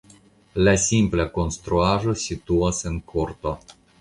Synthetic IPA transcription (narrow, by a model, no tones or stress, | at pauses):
lasʲimplako̞nst̪ɾuaʒo̞sʲit̪uasenkʰoɾt̪o